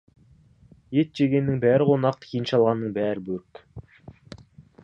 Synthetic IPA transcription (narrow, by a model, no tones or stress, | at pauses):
jet̪̚d͡ʒeɡʲenːɪŋbæːɾʁonɑq̚t̪kʰinʃɑlˠʁɑnːəɴbæːɾbɵɾk